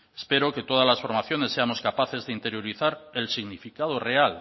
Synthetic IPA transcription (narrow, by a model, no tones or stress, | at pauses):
e̥spe̞ɾoke̞t̪oð̞azlasfo̞ɾmaθjo̞nesːe̞amo̞skapaθe̞zðeint̪e̞ɾjo̞ɾiθaɾelsiɣnifikað̞oreal